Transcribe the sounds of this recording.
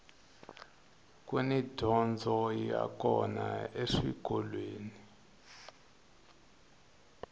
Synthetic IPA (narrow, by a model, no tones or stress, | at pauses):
kwenidʱɔnd͡zʱɔja̰kɔnaeʂiɡ̥ʱɔlweːni